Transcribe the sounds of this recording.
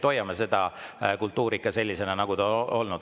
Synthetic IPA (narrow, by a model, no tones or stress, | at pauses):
t̪o̞jːɑmɑse̞d̪̥ɑkult̪ːˑuːɾikːˑɑse̞lʲːise̞nɑnɑɡ̥ud̪ɑo̞lnud̪